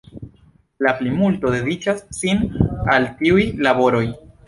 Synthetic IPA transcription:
laplimulto̞de̞dit͡ʃasːinaltiujlabo̞ɾo̞j

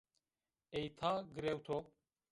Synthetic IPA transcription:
ejt̪ʰaːɡɨɾewt̪ʰo

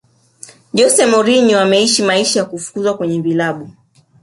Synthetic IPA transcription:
ʄɔsɛmɔɾiɲɔamɛiʃimaiʃajakufu̥kuzwakwɛɲɛvilaɓu

